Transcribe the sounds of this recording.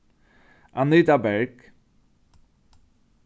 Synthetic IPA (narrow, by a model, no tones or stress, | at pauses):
ʔanit̪abɛɹk